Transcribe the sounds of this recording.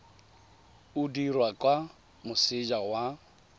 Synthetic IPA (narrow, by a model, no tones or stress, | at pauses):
udirwakʼwa | mʊsɪd͡ʒawa